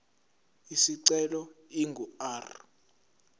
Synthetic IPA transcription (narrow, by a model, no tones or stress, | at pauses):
isiǀɛlɔiŋʱuaːr